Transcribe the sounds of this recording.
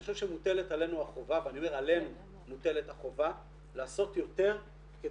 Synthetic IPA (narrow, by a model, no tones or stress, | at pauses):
oʃevʃemute̞le̞t̪ale̞nuaχo̞vaveaniome̞ʁale̞nu | mute̞letaχo̞va | laːso̞tjo̞t̪e̞ʁ | ke